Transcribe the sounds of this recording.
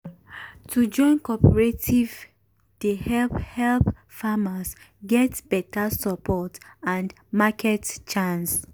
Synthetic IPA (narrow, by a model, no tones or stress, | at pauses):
tʰud͡ʒɔ̃ɪ̃nkɔpəɹetʰiv | d̥ehɛlphɛlp | famas | ɡɛtb̥ɛtasəpʰɔtãnd | makʰɛtt͡ʃãns